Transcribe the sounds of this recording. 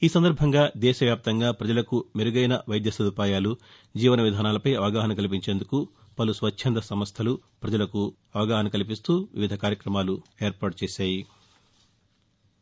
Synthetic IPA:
iːsɐnd̪ɐɾbʱɐŋɡaːd̪ɛːʃɐʋjaːp̚t̪ɐŋɡaːpɾɐd͡ʒɐlɐkumeɾuɡɐjnɐʋɐjd̪jɐsɐd̪upaːjaːlu | d͡ʒiːʋɐnɐʋid̪ʱaːnaːlɐpɐjɐʋɐɡaːɦɐnɐkɐlip̬iɲt͡ʃeːnd̪uku | pɐlusʋɐt͡ʃʃʰɐnd̪ɐsɐmɐst̪ʰɐlupɾɐd͡ʒɐlɐku | ɐʋɐɡaːɦɐnɐkɐlip̬ist̪uːʋiʋid̪ʱɐkaːɾjɐkɾɐmaːlueːɾpaːʈ̚t͡ʃɛːsaːji

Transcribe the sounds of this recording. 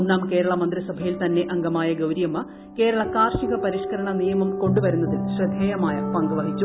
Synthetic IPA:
nːaːmke̞ːɾɐɭɐmɐnd̪risɐbʱɐjilt̪ɐnːe̞ʔɐŋɡɐmaːjɐɡɐwɾijɐmːɐ | ke̞ːɾɐɭɐkaːrʂiɣɐpɐɾiʂkɐɾɐɳɐnijɐmɐmko̞ɳɖuʋɐɾunːɐðɨɕrɐd̪ʱeːjɐmaːjɐpɐŋɡuʋɐɦit͡ɕːu

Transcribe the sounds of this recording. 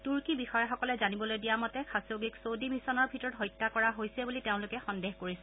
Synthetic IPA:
tuɹkibixɔjaxɔkɔlɛzanibɔlojdijamɔtɛkʰasoɡiksodimisɔnɔɹbʱitɔɹɔtɦɔjtːakɔɹaɦojsɛbuliteʊ̃lʊkɛxɔndeɦkoɹisɛ

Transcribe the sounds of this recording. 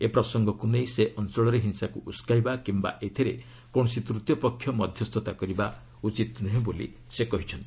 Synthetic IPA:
epɾɔsɔŋɡɔkunejseʔɔnt͡ʃɔɭɔɾeɦinsakuʔuskajbakimba̰ʔet̪ʰiɾḛ | kɔɳ̃ɔsit̪ɾut̪jɔpɔkʰːjɔmɔd̪ʱjɔst̪ʰɔt̪akɔɾiba | ut͡ʃit̪nɔɦẽbolḭ | sekɔɦit͡ʃʰɔnt̪i

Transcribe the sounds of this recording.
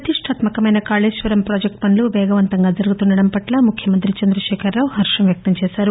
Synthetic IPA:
ɐt̪iʂʈʰaːt̪mɐkɐmɐjnɐkaːleːʃʋɐɾɐmpɾoːd͡ʒek̚ʈpɐnluʋɛːɡɐʋɐnt̪ɐŋɡaːd͡ʒɐɾuɡut̪unɖɐɽɐmpɐʈlaːmukʰjɐmɐnt̪ɾit͡ʃɐnd̪ɾɐʃɛːkʰɐɾːaːʋuɦɐɾʂɐmʋjɐk̚t̪ɐmt͡ʃɛːsaːɾu

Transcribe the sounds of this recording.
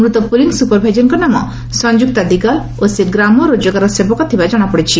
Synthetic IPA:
mɾut̪ɔpuliŋsupɔɾbʱajd͡ʒɔnkɔnamɔ | sɔnd͡ʒuk̚t̪ad̪iɡal | oseɡɾamɔɾod͡ʒɔɡaɾɔsebɔkɔt̪ʰibad͡ʒɔɽ̃apɔɽit͡ʃʰi

